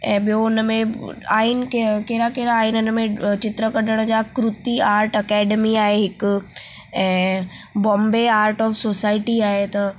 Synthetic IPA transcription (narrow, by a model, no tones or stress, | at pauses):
ɛ̃ːbɪjoʊnmẽaːinkekeːɾakeːɾaːinʊnmẽt͡ɕɪt̪ɾəkɐɗəɽ̃d͡ʑakɾʊt̪iaːɾʈɐkɛːɖemiaːɦeɦɪk | ɛ̃ː | bɔ̃ːmbeaːɾʈɔːfsoːsaːɪʈiaːɦet̪ɐ